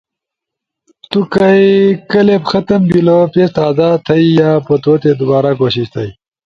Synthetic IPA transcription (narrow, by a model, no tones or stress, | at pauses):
t̪ukɐjkɐlepxɐt̪ɐmbilopest̪aːzaːt̪ʰɐijaːpət̪oːt̪ed̪ubaːɾakoːɕiɕt̪ʰɐj